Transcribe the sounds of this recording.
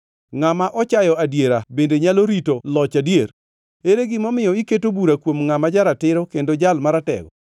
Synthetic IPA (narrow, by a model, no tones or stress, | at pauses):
ŋamaʔɔt͡ʃajɔadjeɾabendeɲaloɾitolɔt͡ʃadjeɾ | eɾeɡɪmɔmɪjɔiketobuɾakwomŋamad͡ʒaɾatɪɾɔkendod͡ʒalmaɾatɛ̰ɡɔ̰